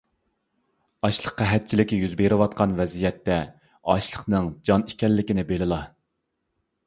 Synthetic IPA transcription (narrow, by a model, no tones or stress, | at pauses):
ɑʃlˠəqːɑɦɛt̪̚t͡ʃʰilɪkʲjyzbeɾɪwɑt̪̚qʰɑnvɛzijɛt̪ːɛ | ɑʃlˠəχnɨŋd͡ʒɑnikʲɛlːɪkʲinɪbelɪlˠɑ